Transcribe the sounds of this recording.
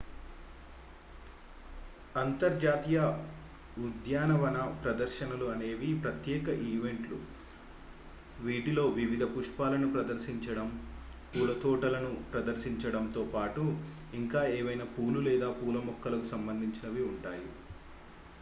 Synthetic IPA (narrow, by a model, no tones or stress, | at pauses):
ɐnt̪ɐɾd͡ʒaːt̪ijɐ | ud̪jaːnɐʋɐnɐpɾɐd̪ɐɾʃɐnɐluɐne̞ːʋipɾɐt̪jɛːkɐʔiːʋe̞ɳʈlṵ | ʋiːʈilo̞ːʋiʋid̪ʱɐpuʂpaːlɐnupɾɐd̪ɐɾsiɲt͡ʃɐɽɐmpuːlɐt̪ɔːʈɐlɐnupɾɐd̪ɐɾsiɲt͡ʃɐɽɐmt̪o̞ːpaːʈu | iŋkaːeːʋɐjnɐpuːlulɛːd̪aːpuːlɐmɔkːɐlɐkusɐmbɐnd̪ʱiɲt͡ʃinɐʋiuɳʈaːju